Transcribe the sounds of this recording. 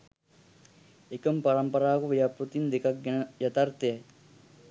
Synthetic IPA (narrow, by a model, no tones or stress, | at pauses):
ekəmpaɾɐmpɐɾaːkuʋijapɾut̪ind̪ekɐk̚ɡenəjɐt̪ɐrt̪eɐ